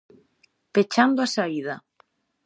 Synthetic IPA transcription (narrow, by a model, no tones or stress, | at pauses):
pet͡ʃand̪oasaiðɐ